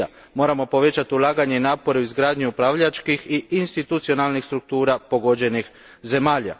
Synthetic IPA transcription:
a̰ | mo̞ːɾamo̞po̞ʋe̞t͡ɕat̪iulˠaːɡaɲe̞inaːpo̞ɾeuizɡɾaːd̪ɲuupɾaːʋʎat͡ʃkixiinst̪it̪ut̪sio̞nalnixst̪ɾuk̚t̪uːɾapo̞ɡo̞d͡ʑe̞nix | ze̞maːʎa̰

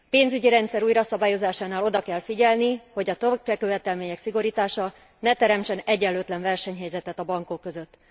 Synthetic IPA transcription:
peːnzyɟiɾɛnt̪sɛɾuːjɾɒsɒbaːjo̞zaːʃaːnaːlo̞d̪ɒkɛlfiɟɛlniho̞ɟɒt̪økɛkøvɛt̪ɛlmeːɲɛksiɡoɾit̪aːʃɒ | nɛt̪ɛɾɛmt͡ʃɛnɛɟɛlːøːt̪lɛɱvɛrʃɛɲɦɛjzɛt̪ɛt̪ɒbɒŋko̞kːøzøt̪ː

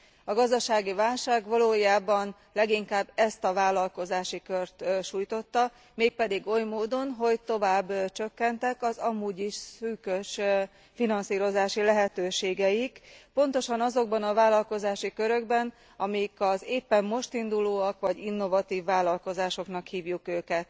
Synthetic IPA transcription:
ɒɡɒzd̪ɒʃaːɡivaːlʃaːɡʋɒloːjaːbɒn | lɛɡiŋkaːbːɛst̪ɒvaːlɒlko̞zaːʃikørt̪ʃuːjt̪o̞t̪ːɒ | meːk̚pɛd̪iɡo̞jmoːd̪o̞nɦo̞ɟt̪o̞vaːbːt͡ʃø̞kːɛnt̪ɛkɒzɒmuːɟiʃsyːkøʃ | finɒnsiːɾo̞zaːʃilɛɦɛt̪øːʃeːɡɛikpo̞n̪t̪o̞ʃɒnɒzo̞ɡ̚bɒnɒvaːlɒlko̞zaːʃikø̞ɾø̞ɡbɛn | ɒmijikɒzeːpːɛmːo̞ʃt̪ind̪uloːɒkʋɒɟinːo̞vɒt̪iːvːaːlɒlko̞zaːʃo̞knɒkhiːvjukøːkɛt̪

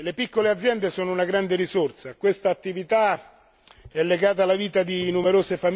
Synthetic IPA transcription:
lepikːolead̪zjɛnd̪esoːnounaɡɾand̪eɾisort̪sakwest̪aːt̪ːivit̪a | ɛlːeɡaːt̪̬alːaviːt̪ad̪inumeɾoːsefam

